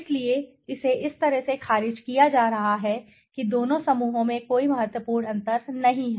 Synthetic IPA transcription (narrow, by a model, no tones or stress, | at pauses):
slie | ɪseʔɪst̪ɐɾəɦsexʰaːɾɪd͡ʒkijad͡ʒaːɾɐɦaɦɛ | kid̪oːnõsɐmuːɦõmẽkoːimɐɦət̪wəpuːɾɳɐ̃nt̪əɾnɐɦĩɦɛ